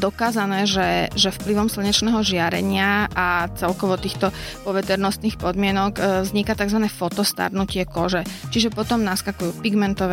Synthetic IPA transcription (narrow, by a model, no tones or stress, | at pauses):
d̪ɔkaːzanɛːʒɛʒɛfpliʋɔmsl̩ɲɛt͡ʃnɛːɦɔʒɪaɾɛ̰ɲɪaat͡sɛlkɔʋɔt̪iːxt̪ɔpɔʋɛt̪ɛɾnɔst̪niːxpɔd̪mɪɛnɔɡzɲikat̪aɡzʋanɛːfɔt̪ɔst̪a̰ɾnucɪɛkɔʒɛt͡ʃiʒɛpɔt̪ɔmnaskakujuːpiɡmɛnt̪ɔʋɛ